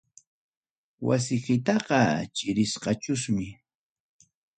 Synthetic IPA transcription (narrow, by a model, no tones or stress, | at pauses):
wa̰s̬ɪkɪt̪ɑqɑt͡ʃɪɾɪsqɑt͡ʃʊsmɪ